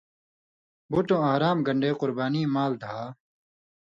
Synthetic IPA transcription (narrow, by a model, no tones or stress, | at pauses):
buʈõːaɦɾaːmɡɐɳɖeːqʊɾbaːniːmaːld̪ʱaː